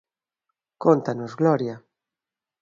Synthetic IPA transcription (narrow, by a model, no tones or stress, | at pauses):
kont̪anozɣlɔɾja